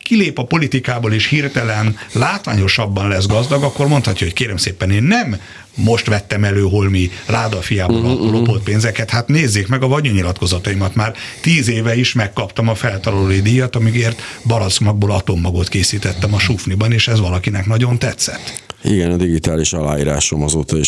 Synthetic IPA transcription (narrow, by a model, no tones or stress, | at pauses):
kileːpɒpo̞lit̪ikaːboːleːʃhirt̪ɛlɛnlaːt̪ʋa̰ːɲo̞ʃɒbːɒnlɛzɡɒzd̪ɒɡɒkːo̞rmo̞nt̪hɒcːɒho̞ckeːɾɛmseːpɛneːnːɛmː | o̞ʃt̪ʋɛt̪ːɛmɛløːɦolmilaːd̪ɒfijaːbolɒlo̞po̞t̪̚peːnzɛkɛt̪hat̪neːzːeːkmɛɡɒvɒɲuɲilɒt̪ko̞zɒt̪ɒimɒt̪maːrt̪iːzeːvɛiʃmɛkːɒpt̪ɒmɒfɛlt̪ɒlɒloid̪ijɒt̪ɒmiɡeːrt̪bɒlɒt̪smɒɡ̚boːlɒt̪omːɒɡot̪keːsiːt̪ɛt̪ːɛmɒʃuːfnibɒneːʃɛzʋɒlɒkinɛknɒɟo̞nt̪ɛt̪sɛ̰t̪ːḭɡɛnɒd̪iɡit̪aːliʃɒla̰ːjiːɾa̰ːʃomɒzoːt̪ɒi